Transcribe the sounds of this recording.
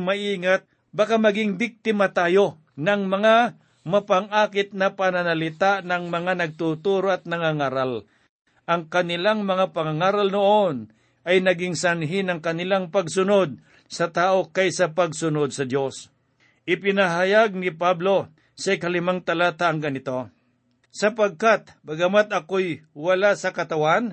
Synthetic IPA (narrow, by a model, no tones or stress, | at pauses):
mɐʔiːŋat̪̚ | bakamɐɡɪŋbɪk̚t̪ɪmat̪aːjo̞ | nɐɐŋmɐŋa | mɐpɐŋʔaːkɪt̪̚nɐpanɐnalɪt̪aʔnɐŋmɐŋanɐɡ̚t̪ut̪uːɾoɐt̪̚nɐŋaŋaːɾal | ʔɐŋkɐnɪlaŋmɐŋapɐŋaŋaːɾalnoʔon | ʔɐjnɐɡɪŋsanɦɪnɐŋkɐnɪlaŋpɐɡsʊnod̪̚ | sɐt̪aːʔo̞kajsɐpɐɡsʊnod̪̚sɐd̪jo̞s | ʔɪpɪnaɦajaɡ̚nɪpablo̞ | sɐɪkɐlɪmaŋt̪ɐlaːt̪aʔɐŋɡɐnɪt̪o̞ | sɐpɐɡ̚kat̪̚bɐɡɐmat̪̚ɐkojwɐlasɐkɐt̪ɐwan